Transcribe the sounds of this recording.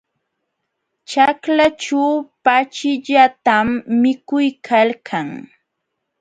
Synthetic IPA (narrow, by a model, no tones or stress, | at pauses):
t͡ʃaklat͡ʃawpat͡ʃɪʎat̪amːɪkʊjkʰalkʰaŋ